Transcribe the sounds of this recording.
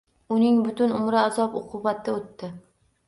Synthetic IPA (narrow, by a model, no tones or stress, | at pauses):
ʊnɪŋbʊt̪ʊnʊmɾaazɒpʊqʰʊbat̪ːɪot̪ːɪ